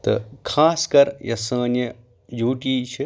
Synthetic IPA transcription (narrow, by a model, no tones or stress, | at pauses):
t̪ɐ̰kʰaːskɐɾjʔɐsə̃ːnjɐ | juːʈiːt͡ʃʰi